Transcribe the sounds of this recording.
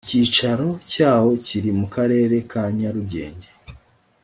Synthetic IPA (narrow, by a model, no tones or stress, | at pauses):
iciːt͡ʃaɾo̞caːwo̞ciɾimukaɾe̞ːɾe̞kʰaɲaɾuɟe̞̰ːɲɟe